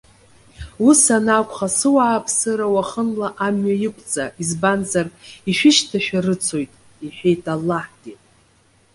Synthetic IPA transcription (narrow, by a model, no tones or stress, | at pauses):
usanakʷʼχasɨwaːpʰʼsɨɾawaχənlaʔamɥajɪkʷʼt͡sʼaizbanzariʃᶣɪʃtʰaʃᶣarɨt͡sʰo̞jtʼ | iħᶣejtʼalːaħtʼi